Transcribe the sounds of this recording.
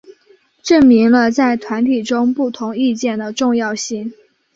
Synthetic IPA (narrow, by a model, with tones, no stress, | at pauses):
ʈ͡ʂə˥˩ŋmi˧˥ŋlə˧t͡sa˥˩ɪt̪ʰwa˧˥nt̪ʰi˨˩ʈ͡ʂʊ˥ŋpu˥˩t̪ʰʊ˧˥ŋi˥˧t͡ɕjɛ˥˩nd̪ə˩ʈ͡ʂʊ˥˧ŋjɑ˥˧ʊɕi˥˩ŋ